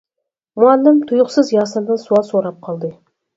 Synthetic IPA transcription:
muɑnːəmt̪ʰʊjʊqsəzjɑsənd̪ənsuɑsoɾɑp̚qʰɑlˠd̪ə

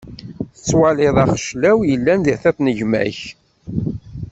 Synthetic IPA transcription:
θə̥t͡sːwælɪðˤɑχəʃlæwjəlːænðiθæθnəʝmæ̰ç

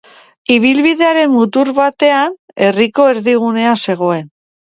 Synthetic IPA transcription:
iβ̞ilβiðe̞aɾe̞mmut̪uɾβat̪e̞an | e̞riko̞e̞ɾðiɣ̞une̞ase̞ɣ̞o̞e̞n

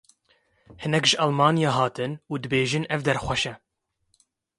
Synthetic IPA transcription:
hɨnɛkʒɨʔɑlmɑːnijɑːɦɑːt̪ʰɨnuːd̪ɨbeːʒɨnɛvd̪ɛɾxʷɛʃɛ

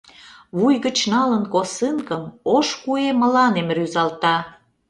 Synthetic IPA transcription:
βujɣət͡ɕnɑlənkosɨnkəmoʃkuemə̆lɑnemryzɑlt̪ɑ

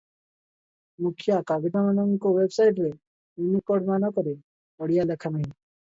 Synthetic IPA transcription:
mukʰjakaɡidamənɔŋkowebsajʈɾe | junikɔɽmanɔkɔɾe | ɔɽijalekʰanaɦĩ

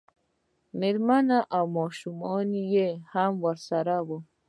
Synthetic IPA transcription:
meɾmanaʔamɔʃumɔnijehamwaɾsaɾabɔ

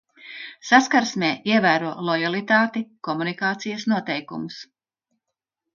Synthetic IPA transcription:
saskaɾsmʲɛːiɛvæːɾuɔlˠɔjalˠit̪aːt̪ikɔmunikaːt̪sijɐsnuɔt̪ɛjkumus

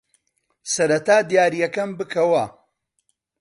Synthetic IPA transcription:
sɐɾɐt̪ʰaːd̪jaːɾijɐkɐmbɨkʰɐwɐ

